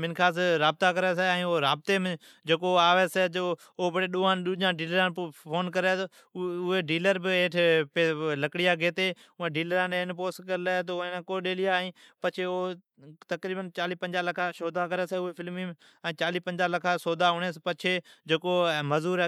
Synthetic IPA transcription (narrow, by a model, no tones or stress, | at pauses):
mɪnkʰaːsɾaːb̚t̪aːkəɾɛːsɛɛ̃ːoːɾaːb̚t̪eːm | d͡ʒeːkoːaːʋeːseːd͡ʒoː | bəɽeːɗuːãːɗʊd͡ʒãːɖiːləɾãːpʰoːnkəɾeːt̪o | ʊɦeːɖiːləɾbɪeːʈʰpeləkɽɪjaːɡʱeːt̪eː | ʊãɖiːləɾãːnenpoːskəɾleet̪onãːkoːɗeːlɪjaːĩːpət͡ʃʰeːo | t̪əkɾiːbənt͡ʃaːliːpə̃ɲd͡ʒaːləkʰaːʃoːd̪ʱaːkəɾeːseʊɦeːfʰɪlmiː | ɛ̃ːt͡ʃaːliːpə̃ɲd͡ʒaːləkʰaːsoːd̪ʱaːɦʊɳeːspət͡ʃʰeːd͡ʒeːkoːməzuːɾ